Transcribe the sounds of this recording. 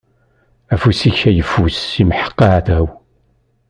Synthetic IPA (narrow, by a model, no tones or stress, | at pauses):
æfusiçæjəfːusːimħə̥qːɑæθəw